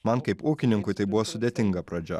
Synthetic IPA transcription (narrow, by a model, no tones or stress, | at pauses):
mɐnkɐɪpuːkʲɪnʲɪŋkʊɪt̪ɐɪbʊʋosʊd̪ʲeːt̪ʲɪŋɡɐpɾɐd͡ʒʲɛ̰